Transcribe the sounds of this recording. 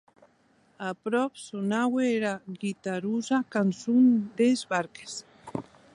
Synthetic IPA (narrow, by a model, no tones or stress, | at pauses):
apɾopsonaweɾaɣit̪aɾusakansund̪ezbaɾkes